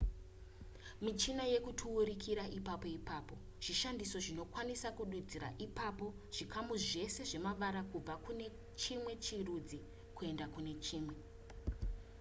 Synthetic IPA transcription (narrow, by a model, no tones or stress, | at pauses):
mit͡ʃinaje̞kutʰuːɾikʰiɾaʔipapo̞ipaːpo̞ | ʐ̥iʃandiso̞ʐino̞kwanisakuɗud͡ziɾa̰ʔipapo̞ | ʐ̥ikamuʐe̞se̞ʐe̞maʋaɾakub͡vakune̞ | t͡ʃimwe̞t͡ʃirud͡zi | kue̞ndakune̞t͡ʃiːmwe̞